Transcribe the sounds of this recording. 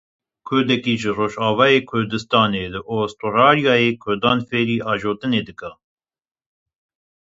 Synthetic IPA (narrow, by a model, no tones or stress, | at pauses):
kʰʊɾd̪ɛkiːʒɨroːʒɑːvɑːjeːkʰʊɾd̪ɨst̪ɑːneːlɨʔoːst̪orɑːɾijɑːjeːkʰʊɾd̪ɑːnfeːɾiːʔɑːʒoːt̪ɨneːd̪ɨkɑː